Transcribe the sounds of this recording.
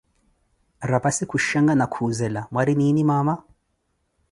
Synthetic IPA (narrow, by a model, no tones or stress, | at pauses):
ɾapasikuʃaŋɡanakʰuzɛlamwaɾininimama